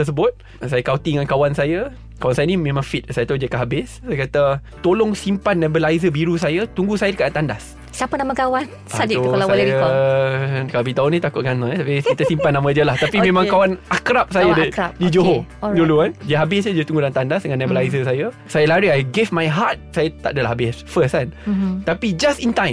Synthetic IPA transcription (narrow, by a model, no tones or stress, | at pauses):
t̪əs̬əbʊt̪̚ | sajəkawt̪iəŋankawansajə | kawansajənĩmẽmãŋfit̪̚sajət̪ad͡ʒəkaɦabɪssajakat̪a | t̪olɔŋsimpanːɛ̃bəlajzəbiɾusajat̪uŋɡusajədəkat̪andas | siapənamə̃kawan | ad͡ʒoasalja | kaabit̪aʊnĩt̪akʊt̚ɡanãt̪apiskit̪əsimpanːãmə̃diəlaht̪apimẽmãŋkawanakɾap̚sajadiapdid͡ʒoɦoduluandiəɦabɪsədiət̪uŋɡudant̪andasdəŋanːɛbəlajzəsajəsajəlaɾiajɡɪvmajɦat̪̚sajət̪a̰ʔdəlahabɪsfəsant̪apid͡ʒasint̪ãjm